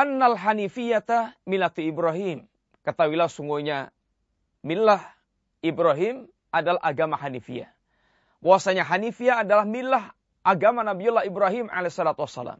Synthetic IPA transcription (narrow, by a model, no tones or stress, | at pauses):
ʔanːalɦanifijat̪amilat̪uibɾaɦim | kət̪awilahsuŋɡuɲa | milah | ʔibɾaɦim | ʔadalaɦaɡamaɦanifḭa̰ | wawasaɲaɦanifiaːdalahmilah | ʔaɡamanabijulːahibɾaɦima̰lesɔlat̪uwasːa̰la̰ːm